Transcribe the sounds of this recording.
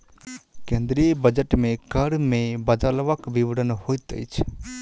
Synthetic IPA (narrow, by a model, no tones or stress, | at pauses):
kẽnd̪ɾijəbəd͡ʒəʈmẽkəɾmẽbəd̪əlʋəkʋiʋɽənhojt̪ə̰jt͡ʃʰ